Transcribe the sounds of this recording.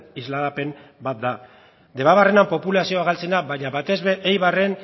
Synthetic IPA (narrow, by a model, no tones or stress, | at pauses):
izlaɣape̞mbat̪̚d̪a | d̪e̞βaβarenampo̞pulasio̞aɣalt͡se̞naβajɲaβat̪e̞zβe̞ʔejβare̞n